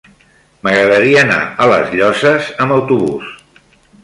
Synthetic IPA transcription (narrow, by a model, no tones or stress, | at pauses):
məɣɾəðəɾiəːna̰ələ̰zʎɔsəzəmbəwt̪uβṵs